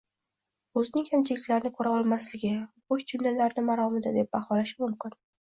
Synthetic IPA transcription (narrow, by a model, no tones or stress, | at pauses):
ɵzɪnɪŋhamt͡ʃʰɪɪk̪ʲlaɾɪnɪkʰɵɾaɒlˠmaslɪɡʲɪboʃd͡ʒʰʊmlalaɾnɪmaɾɒmɪd̪ad̪e̞p̚bahɒlaʃɪmʊmkʲɪn